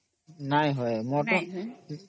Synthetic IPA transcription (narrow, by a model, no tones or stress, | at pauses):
najɦɔjmɔɹtɔ